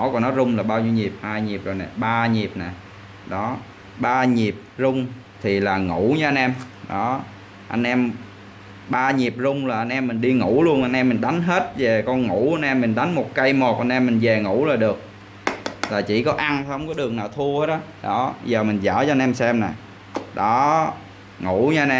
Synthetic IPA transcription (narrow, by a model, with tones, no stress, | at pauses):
ɔ˧˦kɔ˨˩nːɔ˨˦zʊ˧ŋ͡mlaː˨˩ɓaː˧wɲi˧wɲi˨˩p̚haː˧jɲi˨˩əp̚zo˨˩jna˨˩ɓaː˧ɲi˨˩əp̚na˨˩j | ɗɔ˨˦ | ɓaː˧ɲi˨˩əp̚zʊ˧ŋ͡m | t̪ʰi˨˩laː˨˩ŋṵ˧˩˥ɲɨ˨˦ʔa˧nʔɛ˧m | ɗɔ˨˦ | ʔa˧jn̟ʔɛ˧m | ɓaː˧ɲi˨˩əp̚zʊ˧ŋ͡mlaː˨˩ʔa˧n̟ʔɛ˧mːï˨˩ŋ̟ɗi˧ŋṵ˧˩˥lu˧ənʔa˧nʔɛ˧mːi˨˩ŋ̟ɗa˨˦jŋ̟ɦe˦˥t̚ve˨˩kɔ˧nŋu˧˩˥ʔa˧nʔɛ˧mːi˨˩ŋ̟ɗa˨˦ŋmo˨˩t̚kə˧jmo˨˩t̚ʔa˧nʔɛ˧mːï˨˩ŋvɛ˨˩ŋṵ˧˩˥laː˨˩ɗɨ˨˩ək̚ | laː˨˩t͡ɕḭ˧˩kɔ˨˦ʔa˧ntŋ͡mkɔ˨˦ɗɨ˨˩əŋ̚naː˨˩wt̪ʰu˧əhe˦˥t̚ɗɔ˨˦ɗɔ˨˦zəː˨˩mï˨˩ŋ̟zə̰ː˧˩t͡ɕɔ˧nʔɛ˧msɛ˧mna˨˩j | ɗɔ˨˦ | ŋu˧˩ɲə˨˦a˧nʔɛ˧